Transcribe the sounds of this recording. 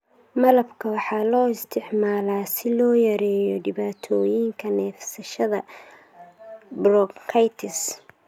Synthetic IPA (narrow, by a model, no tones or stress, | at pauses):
mɐlɐbkʰɐwɑħɑːlɔːɪst̪ʰɪʕmaːlaːsɪlɔːjɐɾɛːjɔɖɪβaːt̪ʰɔːjiŋkʰɐnɛːfsɐʃɐðɐ | brɔkkʰːɐjt̪ʰɪs